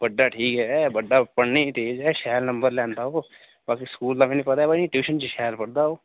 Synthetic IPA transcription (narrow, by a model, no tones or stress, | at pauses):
bəɖːaːʈʰiːkɦɛːbəɖːaːpəɽniːt̪eːd͡ʒɦɛːʃɛːlnə̃mbəɾlɛ̃ːnd̪aːɦoː | baːkiːskuːld̪aːmɛ̃ːnĩːpət̪aːɛːbainĩːʈjuːʃənt͡ʃiʃɛːlpəɽd̪aːɦoː